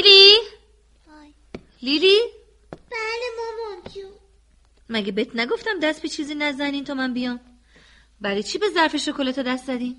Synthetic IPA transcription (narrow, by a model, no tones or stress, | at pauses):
li | lili | b̥ælemɔmɔmko | mæɡebeet̪ʰnæɡo̞ft̪æmd̪æst̪pʰbit͡ʃʰiːziːnæzæniːnt̪ʰɒmæmbijɒːm | bælit͡ʃʰiːbe̞zæɾfeʃokʰolet̪ʰod̪æst̪zæd̪iːm